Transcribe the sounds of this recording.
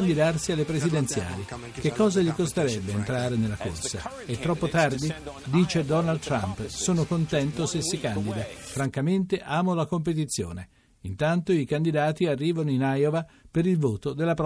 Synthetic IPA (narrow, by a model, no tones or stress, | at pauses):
nd̪id̪arsialːepɾezid̪ent̪sja̰ːli | k̟ekːɔːzaʎikost̪eɾɛbːeːnt̪ɾaːɾenelːako̰rsa | et̪ːɾɔpːot̪ard̪id̪iːt͡ʃed̪ɔnald̪t̪ɾa̰mpsoːnokont̪ɛnt̪osesːikand̪id̪afɾaŋkament̪eʔaːmolakomp̬et̪̬it̪sːjo̰ːne | int̪ant̪oikand̪id̪aːt̪iarːiːvanoinajovapeɾilvoːt̪od̪elːapɾ